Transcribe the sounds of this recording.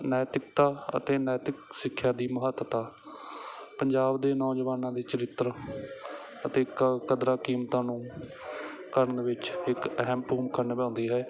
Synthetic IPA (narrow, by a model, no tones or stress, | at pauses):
nɛːt̪ɪkt̪aːə̰t̪eːnɛːt̪ɪksɪkʰːjaːd̪iːməɦət̪ːt̪aː | pəɲd͡ʒaːbd̪eːnɔːd͡ʒʋaːnãːd̪iːt͡ʃəɾɪt̪ːəɾ | ət̪eːkkəd̪ɾaːkiːmt̪ãːnũː | kəɾəɳd̪eːʋɪt͡ʃɪkəɦɛmpuːmkəɾnbɛ̃ːnd̪iːɦɛː